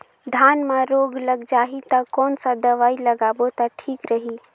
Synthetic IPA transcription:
d̪ʱanmeɾoɡləɡd͡ʒaɦit̪əkɔːnsə̃d̪əʋailəɡabot̪ɔʈʰikɾəɦi

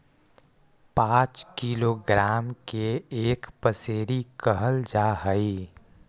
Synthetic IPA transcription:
pãːt͡ʃkiːloːɡɾaːmkeeːkpəseːɾikəɦəld͡ʒaːɦəi

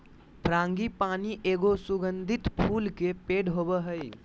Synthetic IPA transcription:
pʰɾãːŋɡipaːniʔeːɡosʊɡə̃nd̪ʱɪt̪pʰuːlkepeːɖɦobəɦəi

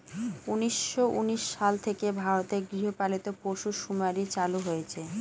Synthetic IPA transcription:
uniʃːoʔuniʃːalt̪ʰekebʱaɾot̪eɾɡɾiɦopalit̪opoʃuʃumaɾit͡ɕaluɦojet͡ɕʰe

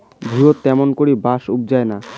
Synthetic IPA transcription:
bʱɾiot̪ːɛmonkoɾibaʃub̚d͡ʑaena

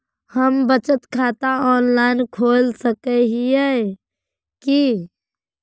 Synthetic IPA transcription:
həmbət͡ʃət̪kʰat̪aɔːnlaɪnkʰolsəkəɦiə | ki

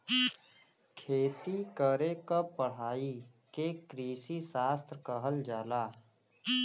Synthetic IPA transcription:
kʰeːt̪ikəɾekapəɽ̤aːi | kekɾiːsisaːst̪ɾkəɦəld͡ʒaːlaː

